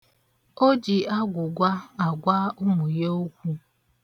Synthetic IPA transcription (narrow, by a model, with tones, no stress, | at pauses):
o˦d͡ʒi˨a˦ɡʷʊ˨ɡʷa˦a˨ɡʷa˦ʊ˦mʊ˨je˦o˦kʷu˦